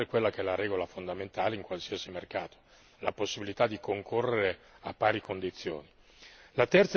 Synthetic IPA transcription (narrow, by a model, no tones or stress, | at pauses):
ekwelːakeɛlaɾɛːɡolafond̪ament̪aːleiŋkwalsiasimerkaːt̪o̥ | la̰posːibilit̪ad̪ːikoŋkʰorːeɾe | apːaːɾikond̪it̪sːjo̰ːni | lat̪ɛrt̪s